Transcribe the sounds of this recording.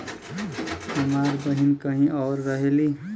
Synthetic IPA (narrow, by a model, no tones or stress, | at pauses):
əmaːɾbəɦinkəɦĩʔɔːɾːəɦeli